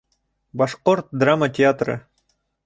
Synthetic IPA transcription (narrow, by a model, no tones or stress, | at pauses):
bɑʃqoɾt̪̚d̪ramətʲɪat̪rɤ̰